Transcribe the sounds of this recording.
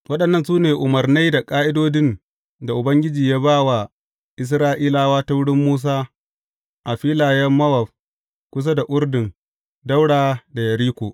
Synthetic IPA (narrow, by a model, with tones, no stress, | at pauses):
wɐ˦ɗɐ˨nːɐ˦nsuː˦neː˨ʔʊ˨mɐ˨rna˦jda˨kʼaː˦ʔɪ˦doː˦dɪ˦n | da˨ʔʊ˨bɐ˦ŋɡʲɪ˦d͡ʒiː˨jaː˦baː˦wa˨ | ʔɪ˦s̬ɾaː˦ʔiː˦laː˦waː˦ta˦wʊ˦ɽɪ˦mːuː˦s̬aː˦ | ʔa˨ɸiː˦laː˨jɛ˦mːɐ˦wɐ˨ɸ | kʷʊ˦s̬a˦da˨ʔʷʊ˦rdɪ˨n | da˦wɽaː˨da˨jɐ˨ɾiː˦kʷoː˨